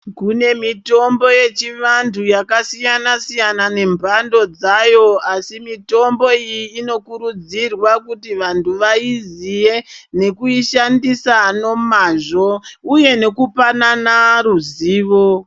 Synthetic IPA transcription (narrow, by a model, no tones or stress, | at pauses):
kune̞mito̞mbo̞jet͡ʃiʋantʰujakasijanasijanane̞mbʱando̞d͡zajo̞asimito̞mbo̞ijiːno̞kuɾud͡zirwakutiʋantʰuʋaizijene̞kuiʃandisano̞maːʐo̞uje̞ne̞kupananaruziːʋo̞